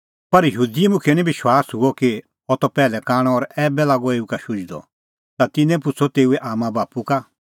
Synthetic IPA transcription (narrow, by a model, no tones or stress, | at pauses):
pɐɾjɐɦuːd̪iɛmʊ̃kʰɛnĩbɪʃwaːsɦʊɔki | ɔt̪ɔpɛːlɛkaːɽ̃ɔ̃ɔɾɛːbɛlaːɡɔeːukaʃʊd͡ʒd̪ɔ̰ | t̪at̪ɪnɛ̃p̬ʊt͡sʰɔt̪eːuɛʔaːmãbaːpuka